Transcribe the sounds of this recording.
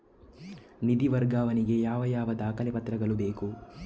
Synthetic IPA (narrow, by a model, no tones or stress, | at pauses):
nid̪iʋɐɾɡaːʋɐniɡe̞jaːʋɐjaːʋɐd̪aːkɐlepɐt̪ɾɐɡɐlubeːku